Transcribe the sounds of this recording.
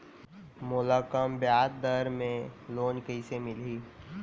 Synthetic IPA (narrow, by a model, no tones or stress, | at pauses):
mʊlaːkəmbjaːt̪̚d̪əɾmẽloːnkəɪsemɪlɦiː